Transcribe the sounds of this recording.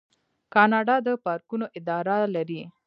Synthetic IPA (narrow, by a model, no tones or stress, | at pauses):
kɑnɑɖɑd̪əpɑɾkunoʔɪd̪ɑɾalaɾi